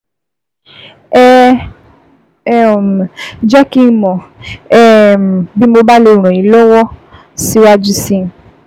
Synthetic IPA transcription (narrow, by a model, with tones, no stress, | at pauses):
ɛ˦˨ | d͡ʒa˦kĩ˧˦mɔ̃˨ɛ˦m˨bi˦mo˧ba˦le˧˦˨ɾ̃ɔ̃˨ĩ˨˦lɔ˦wɔ˦ | si˦wa˦d͡ʒi˦sĩ˦˨